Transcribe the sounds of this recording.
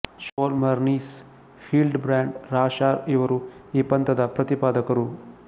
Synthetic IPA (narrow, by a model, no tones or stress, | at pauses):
ʃoːlmɐɾniːs | fiːlɖbɾaːɳɖɾaːʃaːɾiʋɐɾuiːpɐnt̪ɐd̪ɐpɾɐt̪ipaːd̪ɐkɐɾu